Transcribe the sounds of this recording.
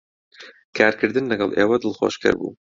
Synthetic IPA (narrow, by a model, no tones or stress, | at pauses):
kʰaːɾkɨɾd̪ɨnlɨɡɑlˠʔeːwɐd̪ɨlˠxo̰ːʃkʰɐ̰ɾbṵː